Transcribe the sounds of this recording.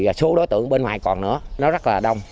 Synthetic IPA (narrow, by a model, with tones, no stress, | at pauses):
su˨˦ɗo˨˦jt̪ɨ̰˧˨əŋɓe˧nhwaː˨˩jkɔ˨˩nɨ̰˧˥ənɔ˨˦zə˦˥t̚laː˨˩ɗə˧wŋ͡m